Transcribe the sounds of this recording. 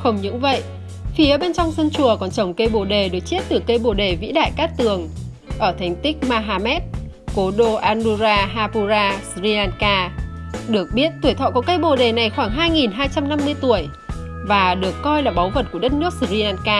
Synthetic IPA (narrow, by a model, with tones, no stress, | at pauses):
xə˧wŋ͡mɲɨ̰˧˥ŋvə̰˧˨jʔ | fi˨˦ə˦ɓe˧nt͡ɕɔ˧wŋ͡msə˧nt͡ɕu˨˩əkɔ˨˩nt͡ɕə˨˧˩wŋ͡mkə˧jɓo˨˩ɗe˨˩ɗɨ˨˩ək̚t͡ɕi˦˥t̚t̪ɨ˨˩kə˧jɓo˨˩ɗe˨˩vḭ˧˥ɗa̰ː˧˨jkaː˦˥k̚t̪ɨ˨˩əŋ | ʔəː˧˩t̪ʰa˨˧˩jŋ̟t̪ï˦˥k̟̚maː˧ɦaː˧mɛ˦˥t̚ | ko˨˦ɗo˧ʔaː˧nɗu˧zaː˧ɦaː˧pu˧zaː˧szi˧aː˧nkaː˧ɗɨ˨˩ək̚ɓi˦˥ət̚t̪u˧˩əjt̪ʰɔ̰˧˨kɔ˨˦kə˧jɓo˨˩ɗe˨˩na˨˩jxwaː˧˩ŋɦaː˧jŋi˨˩nɦaː˧jt͡ɕa˧mna˧mːɨ˧əjt̪u˧˩əj | vaː˨˩ɗɨ˨˩əkːɔ˧jlaː˨˩ɓa˨˦wvə˨˩t̚ku˧˩əɗə˦˥t̚nɨ˦˥ək̚szi˧aː˧nkaː˧